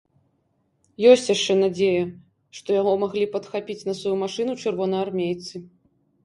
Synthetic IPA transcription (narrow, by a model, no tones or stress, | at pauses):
jɔsʲt͡sʲjaʂt͡ʂɛnad͡zʲejɐ | ʂt̪ɔjaɣɔmaɣlʲipɐt̪xapʲit͡sʲnɐsvajumaʂɨnut͡ʂɨrvɔnɐjarmʲejt̪sɨ